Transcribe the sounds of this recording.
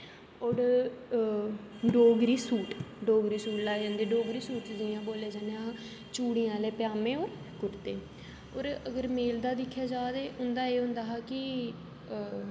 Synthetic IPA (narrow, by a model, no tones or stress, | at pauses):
oːɾ | ɖoːɡɾiːsuːʈɖoːɡɾiːsuːʈlaːd͡ʒãːnd̪eːɖoːɡɾiːsuːʈd͡ʒ̪ɪãːboːleːd͡ʒãːneɦaː | t͡ʃuːɽijãːleːpɪjaːmẽːoːɾ | kʊɾt̪eː | oːɾəɡəɾmeːld̪aːd̪ɪkʰːjaːd͡ʒaːt̪eːʔʊnd̪aːeːɦʊ̃nd̪aːɦaːkɪ